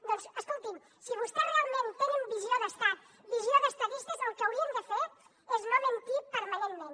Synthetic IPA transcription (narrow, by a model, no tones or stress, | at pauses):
d̪ɔnsəskulˠt̪im | siβ̞ust̪ɛrealˠment̪enəmbizioðəst̪at̪ | bizioðəst̪əðist̪əzəlˠkəəwɾiənd̪əfe | eznoβənt̪ipəɾmɐnenmẽn